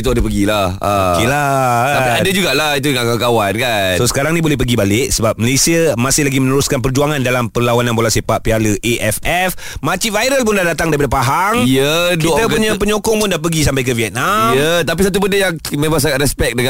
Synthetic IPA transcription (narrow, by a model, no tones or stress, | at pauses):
t̪ʊdəpəɡilahakilat̪apiadad͡ʒuɡaʔlait̪uŋakakawankannsosə̥kaɾaŋnĩbolɛhp̬əɡibalɪʔ̚səbap̚məlesiəmãsɪhlaɡimənəɾʊskanpərd͡ʒuaŋandalampərlawanaŋbolasepaʔ̚pialəʔeʔɛfɛf | mat͡ʃivajɾəlpʊndahdat̪aŋdaɾipadapaɦaŋijəkiʔ̪əpuɲãpəɲokɔŋpʊndap̬əɡisampajkəviɛt̪̚najət̪ap̬isat̪̬ubəndəjaŋ | mẽmas̬akat̪ɾɛspɛk̚dəŋã